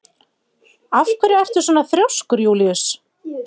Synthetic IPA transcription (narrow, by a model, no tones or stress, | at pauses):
afkvɛɾɪɛr̥t̪ʏ̥sɔːnaθɾjawskʏɾjuːlɪʏs